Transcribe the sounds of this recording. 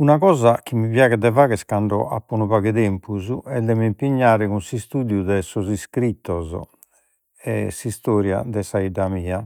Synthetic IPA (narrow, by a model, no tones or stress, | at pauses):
unaɣɔːzak̟imːiβjaːɣɛd̪ɛvaːɣɛskaɳɖɔʔa̰pːɔnuβaɣɛðɛmpʰuzuɛd̪ɛmimpiɲːaːɾɛkunsist̪uːd̪jud̪ɛsɔziskɾit̪ːɔzɔ̰ | ɛsist̪ɔːɾja̰d̪ɛsaid̪amiːa